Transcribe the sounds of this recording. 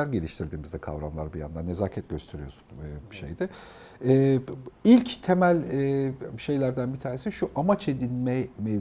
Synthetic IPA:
æɾɟe̞lʲiʃt̪ʰiɾd̪iːmizd̪ɛkʰa̰vɾamlˠaɾbija̰nd̪anːe̞zaːcʰɛt̪̚ɟøst̪ʰe̞ɾijosu̥nʃḛjd̪ɪ | ɛːilʲct̪ʰemælʲɛʃe̞jlʲæɾd̪ænbit̪ʰaːnesiʃuʔamat͡ʃe̞d̪inmɛmɛ

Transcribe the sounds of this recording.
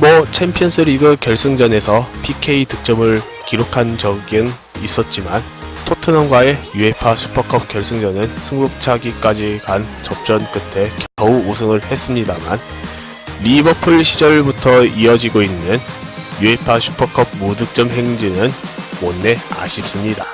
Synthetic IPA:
mwʌt͡ɕʰempʰijʌnsʰɯɾiɡɯkjʌɭs͈ɯŋd͡ʑʌne̞sʰʌpʰikʰe̞itɯk̚t͡ɕ͈ʌmɯɭ | kiɾokʰand͡ʑʌɡɯn | is͈ʌt̚t͡ɕ͈iman | tʰotʰɯnʌmɡwae̞jue̞pʰaɕʰu̥pʰʌkʰʌp̚k͈jʌɭs͈ɯŋd͡ʑʌnɯnsʰɯŋɡuk̚t͡ɕʰaɡik͈ad͡ʑikant͡ɕʌp̚t͡ɕ͈ʌnk͈ɯtʰe̞kʌuusʰɯŋɯɭhe̞s͈ɯmɲidaman | ɾibʌpʰɯɭɕʰid͡ʑʌɾbutʰʌiʌd͡ʑiɡoinːɯn | juɦe̞pʰaɕʰu̥pʰʌkʰʌb̚mudɯk̚t͡ɕ͈ʌmɦe̞ŋd͡ʑinɯnwʌnːe̞a̰ɕʰip̚s͈ɯmɲida

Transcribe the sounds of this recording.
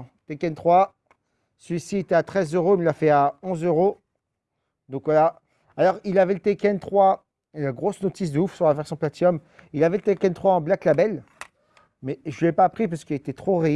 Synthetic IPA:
t̪ekɛnt̪χwa | səlɥisiet̪ɛat̪χɛzøʁoinlafɛaɔ̃zøʁo | d̪ɔ̃kvwala | alɔʁilavɛlət̪ekʲɛnt̪χwa | elaɡʁosnɔt̪is̬d̪ufsyʁlavɛʁsjɔ̃plat̪iɔm | ilavɛlət̪ekʲɛnt̪χwaɑ̃blaklabɛl | mɛʒəlɛpaːpχip̬asə̥kəilet̪ɛt̪χoʁi

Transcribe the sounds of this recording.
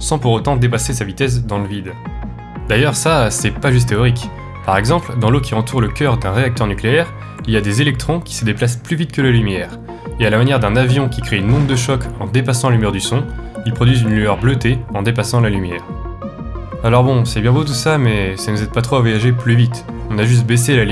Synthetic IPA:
sɑ̃puʁot̪ɑ̃d̪ep̬asesavit̪ɛs̬d̪ɑ̃ləvid̪ | d̪ajœʁsasɛpaʒys̬t̪ːeɔʁik | paʁɛɡzɑ̃pld̪ɑ̃lokʲiɑ̃t̪ʰuʁləkʲœʁd̪ɛ̃ʁeak̚t̪œʁnykleɛʁ | iljad̪ezelɛk̚t̪χɔ̃kʲi̥səd̪eplasplyvit̪kəlalymjɛːʁ | ealamanjɛʁd̪ɛ̃navjɔ̃kʲikχeynmɔ̃t̪d̪əʃɔkɑ̃d̪epasɑ̃alymɛʁd̪ysɔ̃ilpχɔd̪ɥizynlyœʁblət̪eɑ̃d̪epasɑ̃lalymjɛːʁ | alɔʁbɔ̃sɛbjɛ̃bot̪̬usamɛsanuzɛd̪̚pat̪χoavwajaʒeplyvit̪ɔ̃naʒys̬t̪̚bes̬elal

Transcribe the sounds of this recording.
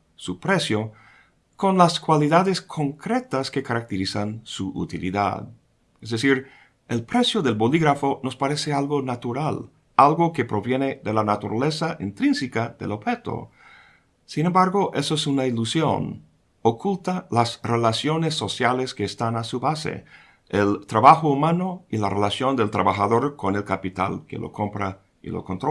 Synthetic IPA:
supɾe̞sjo | ko̞nlaskwaliðaðe̞skʰo̞ŋkɾe̞t̪askekaɾak̚t̪eɾisansuʔṵt̪ilḭða̰ð | ezðesiɾ | elpɾe̞sjo̞ðe̞lboliɣɾafono̞spaɾesealɣo̞nat̪uɾal | alɣo̞ke̞pɾo̞βje̞ne̞ðe̞lanat̪uɾa̰le̞saʔint̪ɾinsikaðe̞̰lobxe̞t̪o̰ | sinembaɾɣo̞ʔesoesunailusjo̰n | okult̪alasrelasjo̞ne̞sːo̞sjaleskeːst̪anasuβasḛ | elt̪ɾaβaxoumano̞ilarelasjo̞nd̪elt̪ɾaβaxaðo̞ɾko̞ne̞lkapit̪a̰lkḛlʔo̰kʰo̞mpɾa | ḭlo̰kont̪ɾo

